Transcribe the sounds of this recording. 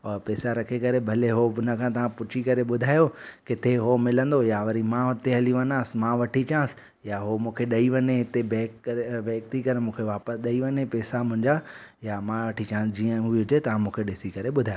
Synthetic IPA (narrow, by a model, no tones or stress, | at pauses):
ɔpɛːsaɾɐkʰekɐɾebʱɐleɦoʊnəkʰãt̪ɐʋ̤ãpʊt͡ɕʰikɐɾeɓʊd̪ʱaːjokɪt̪ʰeɦomɪlə̃nd̪ojaʋɐɾimãʋɐt̪eɦɐliʋɐnaːsɪmãʋɐʈʰit͡ɕãːsɪ̥ | jaɦomũːkʰeɗɐiʋɐɲeɪt̪ebɛːkːeʋeːk̚t̪ʰikɐɾemũːkʰeʋaːpəsɗɐiʋɐɲepɛːsamʊ̃ɦɪ̃ɲd͡ʑajamãʋɐʈʰit͡ɕãːsɪd͡ʑiːə̃ɦʊiʊd͡ʑet̪ɐʋ̤ãmũːkʰeɗɪsikɐɾeɓʊd̪ʱaːj